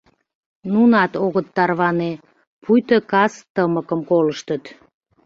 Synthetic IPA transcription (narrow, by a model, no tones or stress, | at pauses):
nunɑt̪oɣət̪ːɑrβɑne | pʰujt̪əkɑst̪əməkəmkoləʃt̪ət̪